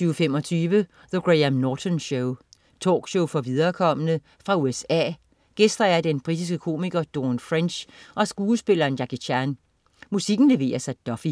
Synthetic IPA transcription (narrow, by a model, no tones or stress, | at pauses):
yːəfem̰ɒ̽t͡sʰyːʋə | ðəɡ̥ʁeæmnɒːt͡sʰɔnɕoʊ | t͡sʰɔ̰ːɡ̥ɕoʊfɒ̽ʋiðˠɐkʰɒ̽mənə | fʁɑ̈uesɛ̰ː | ɡ̥esd̥ʁɐæɐd̥enb̥ʁid̥is̬ɡ̥əkʰo̝̰ːmiɡ̥ɐd̥o̝ːnfʁɛnɕʔɒ̽sɡ̥uːsb̥e̝lɐːnjækiɕʰæn | musiɡ̥n̩le̝ʋe̝̰ːɐsæd̥ɒ̽fi